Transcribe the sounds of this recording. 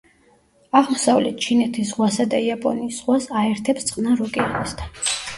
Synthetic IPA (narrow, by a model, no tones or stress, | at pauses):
aʁmɔsavlɛt̪̚ʰt͡ʃʰinɛt̪ʰisʁwasad̪aiapʼɔ̰niːsʁwasaɛɾt̪ʰɛpst̪sʼqʼnaɾɔkʼianist̪ʰa